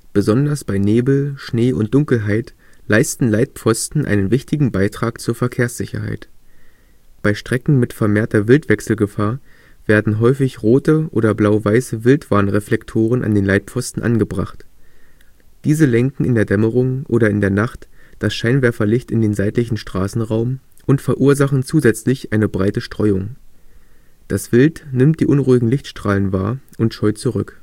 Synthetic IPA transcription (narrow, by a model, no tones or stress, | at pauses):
b̥əzɔndɐsb̥aɪneːbl̩ʃneːʔʊ̰ntd̥ʊŋkl̩ɦaɪtlaɪstn̩laɪt̚p͡fɔstn̩ʔa̰ɪnənvɪçtɪɡŋ̩baɪtʁ̥aːkt͡suːɐfɛɐkʰeːɐsz̥ɪçɐ̰ɦa̰ɪt | b̥aɪʃtʁ̥ɛkŋ̩mɪtfɛɐmeːɐtɐvɪltv̥ɛksl̩ɡəfaːɐ | v̥eːɐdn̩ɦɔʏfɪçʁoːtəʔo̰ːdɐblaʊvaɪsəvɪltv̥aɐnʁɛflɛktʰoːʁ̞ənʔa̰ndeːnlaɪt̚pp͡fɔstn̩ʔa̰nɡəbʁa̰χt | d̥iːzəlɛŋkŋ̩ɪndeːɐdɛməʁ̞ʊŋʔoːɾɐɪndeːɐnaχtd̥asʃaɪnvɛɐfɐlɪçtɪndeːnzaɪtlɪçn̩ʃtʁ̥aːsn̩ʁaʊmʔʊntfɛɐʔuːɐzaχn̩t͡suːzɛt͡slɪçʔaɪnəbʁaɪtəʃtʁ̥ɔʏʊŋ | d̥asv̥ɪltnɪmt̚d̥iːʔʊnʁuːɪɡŋ̩lɪçtʃtʁ̥aːlənva̰ːɐʔʊntʃɔʏtt͡suʁʏk